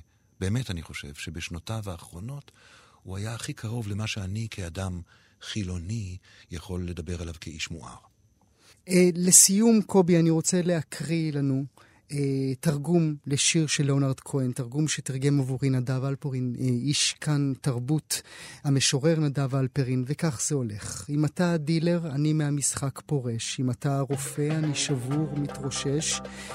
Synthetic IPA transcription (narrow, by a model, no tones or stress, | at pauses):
b̥e̞ːmetaniχo̞ʃe̞̰vʃebeʃnotavaːχʁo̞no̞thuajaχikʰaʁo̞vlemaʃeanikʰeadam | χilo̞ni | jaχo̞lːed̪abeʁalavkʰeiʃmṵʔa̰ʁ | lesijumkʰo̞bianiʁo̞t͡se̞lehakʰʁilanu | etaʁɡumle̞ʃiʁʃelonaʁdkʰoentaʁɡumʃetiʁɡe̞mavuʁinadavalpoʁiniʃkʰantaʁbuthame̞ʃo̞ʁe̞ʁnadavalpeʁinvekaχz̥eo̞le̞χimatadile̞ʁanimeamisχakpo̞ʁe̞ʃimataʁo̞fe̞aniʃavuʁmitʁoʃe̞ʃ